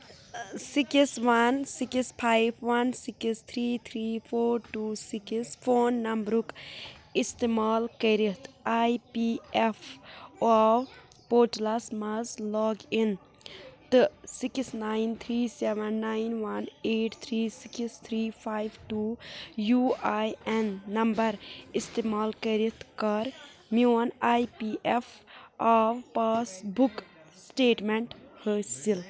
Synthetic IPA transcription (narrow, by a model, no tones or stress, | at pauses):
sikisʋɐnsikispʰajbʰʋɐnsikist̪ʰɾiːt̪ʰɾiːpʰoːɾʈuːsikisfʰoːnːɐmbɾukist̪emaːlkɐɾit̪ajpiːefoaw | poːʈlasmɐzlɔːɡin | t̪ɨsiksnaːɪnt̪ʰɾiːseʋənːaːɪnʋɐneːʈt̪ʰɾiːsɪkst̪ʰɾiːpʰaːjʋʈuːjuːajɛnːɐmbɐɾist̪eːmaːlkəɾit̪ʰkɐɾ | mjoːnaːjpiːʔefaʋpaːsbuk | sʈeːʈmẽɳʈhəːɾsil